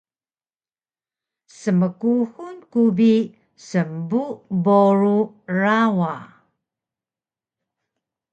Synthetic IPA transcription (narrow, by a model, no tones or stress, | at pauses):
səməkuhunkubi | səmbuboɾu | rawa